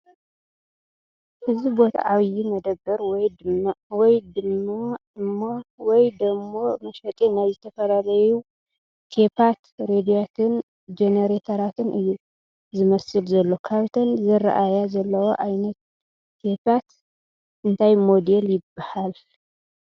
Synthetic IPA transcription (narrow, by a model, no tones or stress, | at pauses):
hɨzibo̞t̪ʰa̰ʕaβjimɐd̪ɐbːɐɾwɔjd̪wɔjd̪ɨmːaɨmːawɔjd̪ɐmːomɐʃɐt̪ʼinajzɨt̪ʰɐfɐɾaɾɐju | t̪ʰepat̪ɾed̪ijat̪ʰɨn | d͡ʒeneɾet̪ʰɐɾat̪ʰɨnʔɨjːu | zɨmɐsɨlzɐlːo̞kʰaβt̪ʰɐnzɨra̰ʔajazɐlːɐwoʔajnɐt̪ | t̪ʰːepat̪ | ʔɨnt̪ʰajmo̞d̪eljɪbːahal